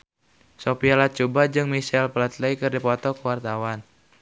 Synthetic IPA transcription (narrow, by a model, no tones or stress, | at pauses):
sopialat͡ʃubad͡ʒɨŋmisɛlpəlat̪ləikɨrdipɔt̪ɔkuwart̪awan